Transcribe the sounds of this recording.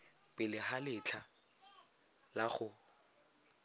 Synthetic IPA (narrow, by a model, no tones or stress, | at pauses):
pɪlɪɦalɪt͡ɬʰa | laχʊ